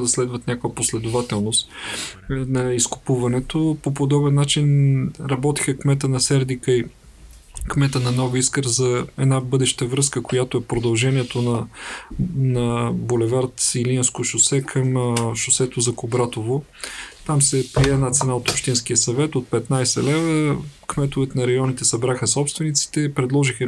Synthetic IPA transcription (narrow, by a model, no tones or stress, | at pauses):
d̪ɐslɛd̪vət̪nʲakovəposlɛd̪ʊvat̪ɛlˠnost̪ | nɐiskʊ̥puvɐnɛt̪opopod̪ɔbɛnːat͡ʃinɾɐbɔt̪ixəkmɛt̪̬ənɐsɛɾd̪ikəi | kmɛt̪ənɐnɔɡʊiskəɾzɐɛd̪nabɤd̪ɛʃt̪əvɾɤskəkojat̪oɛpɾod̪ɐlˠʒɛniɛt̪onɐ | nɐbolɛvaɾt̪silinskoʃʊsɛkʰəmʃʊsɛt̪ozɐkobɾat̪ovo | t̪amsɛpɾiɛːnat̪sɛnaot̪opʃt̪inskiəsɐvɛt̪ot̪̚pɛt̪najsɛ̰lɛvəkmɛt̪ʊvɛt̪nɐɾɐjɔnit̪ɛsɐbɾaxəsɔpst̪vɛnit̪si̥t̪ɛpɾɛd̪lˠɔʒixə